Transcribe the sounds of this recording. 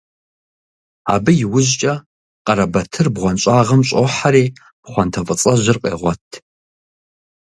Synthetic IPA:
a̰ːbɨjɪwʊʑt͡ʃʼɐ | qʼɐɾɐbɐtʰɨrbʁʷɔnɕʼaːʁɐmɕʼoħaɾeː | b̥χʷɐntʰɐfʼɨt͡sʼɐʑɪrqʼḛːʁʷɔtʰ

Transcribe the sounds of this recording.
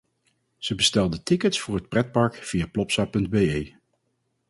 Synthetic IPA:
z̥əbəstɛlˠdətɪkətsfʊːɹɦət̚prɛt̚pɑɹkv̥ijaːplɔpsaːpɵndbejej

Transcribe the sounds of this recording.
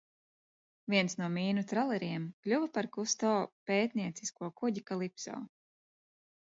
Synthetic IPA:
vʲiɛnsnuɔmʲiːnut̪ɾalˠɛɾiɛmklʲuvapaɾkust̪ɔːpeːt̪nʲiɛt̪siskuɔkuɟikalˠipsɔ̰ː

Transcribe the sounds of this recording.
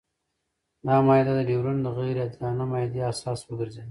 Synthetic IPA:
d̪ɑmɑːjd̪ad̪əɖewɾund̪əɣajɾad̪d̪ɑnamɑd̪easɑːswəɡəɾzed̪

